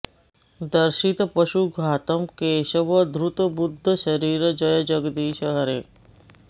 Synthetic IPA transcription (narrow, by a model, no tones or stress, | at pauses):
d̪əɾʃit̪pəʃuɡʱaːt̪əmkeːʃəʋəd̪ʱɾut̪əbʊd̪ʱːəʃəɾiːɾd͡ʒəjɐd͡ʒəɡd̪iːʃəɦəɾeː